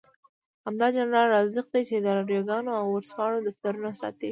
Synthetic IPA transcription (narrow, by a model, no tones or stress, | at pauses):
hamd̪ɑd͡ʒɑnɾɑlɾɑzɪq̚d̪ajt͡ʃed̪əɾaɾjaɡɑnoawaɾspɑɽod̪aft̪aɾunasɑ̰t̪i